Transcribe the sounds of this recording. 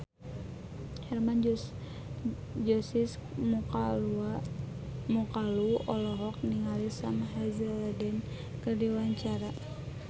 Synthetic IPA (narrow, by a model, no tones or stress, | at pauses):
hɛrman | d͡ʒɔsis | mukaluɔlɔɾɔk̚niŋalisanɦazɛladɛn | kərdiwaɲt͡ʃaɾa